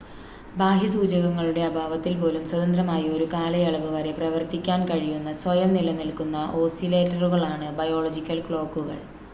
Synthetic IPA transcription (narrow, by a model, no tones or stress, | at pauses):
baːɦisuːd͡ʑɐɣɐŋːɐɭuɽe̞ɐbʱaːʋɐt̪ːilpo̞ːlumswɐd̪ɐnd̪rɐmaːjɐo̞ɾukaːlɐjɐɭɐʋɨʋɐɾe̞prɐʋɐrt̪ikʲːaːnkɐɻijunːɐswɐjɐmnilɐnilkunːɐʔo̞ːsile̞ːtːɐruɣɐɭaːɳɨbɐjo̞ːɭod͡ʑikʲːɐlkɭo̞ːkːuɣɐ̰ɭ